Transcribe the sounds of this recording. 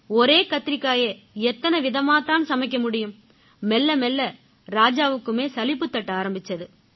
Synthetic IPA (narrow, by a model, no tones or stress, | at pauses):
ɔɾeːkɐt̪ːɪɾɪkːaːje | ɛt̪ːɐnɐʋɪðɐmaːt̪aːnsɐmɐɪk̬ːɐmʊɽɪjɯmː | ɛlːɐmɛlːɐ | ɾaːd͡ʒaːʋɯkːɯmeːsɐlɪpːɯt̪ːɐʈːɐaːɾɐmbɪt͡ʃːɐðɯ